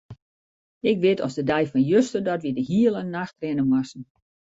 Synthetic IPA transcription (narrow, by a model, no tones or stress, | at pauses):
ɪkʋɪtʰɔsdədɛjfɔnjøstərdɔtʋidəɦiəlˠənːaxtrɪnəmwasn̩